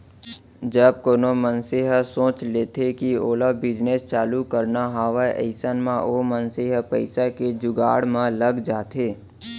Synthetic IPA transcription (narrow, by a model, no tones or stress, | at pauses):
d͡ʒəb̚koːnomənseɦəsõːt͡ʃleːt̪ʰekioːlabɪd͡ʒnest͡ʃaːlukəɾnaɦaːʋəʔə̰ɪsənmãoːmənseɦəpəɪsaked͡ʒʊɡa̰ːɽmãləɡd͡ʒaːt̪eː